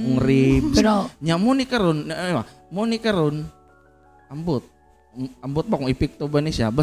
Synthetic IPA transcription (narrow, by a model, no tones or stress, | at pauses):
ŋɾipsaɲamunikəɾʊnama | munikəɾʊn | ambʊt̪̚ | ambʊt̪̚bakuŋipɪk̚t̪obanisiabə